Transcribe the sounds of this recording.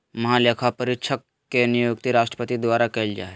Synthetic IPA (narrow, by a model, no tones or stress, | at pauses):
mɐɦãlekʰapəɾɪtʃʰəkː | enijuɡt̪iɾaːʃʈɾəpət̪id̪waːɾakeld͡ʒa̰ːe